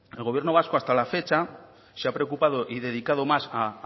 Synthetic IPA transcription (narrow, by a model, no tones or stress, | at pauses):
e̞lɣoβje̞ɾnoβaskoast̪alafe̞t͡ʃa | seapɾeokupað̞oʔiðe̞ð̞ikaðomasa